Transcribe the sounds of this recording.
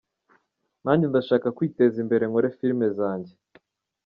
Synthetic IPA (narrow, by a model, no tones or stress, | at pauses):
naːndindaʃaːkakwiːte̞zimbe̞ɾe̞ŋoɾefiɾme̞zaːɲɟe